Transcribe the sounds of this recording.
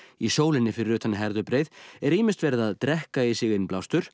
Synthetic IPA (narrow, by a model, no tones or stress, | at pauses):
isoːwlɪnːɪfɪɾɪɾʏːt̪ʰanːɦɛɾðʏpɾejðɛɾiːmɪst̪vɛːɾɪðaðt̪ɾɛhkaisɪɣɪnplawst̪ʏɾ̥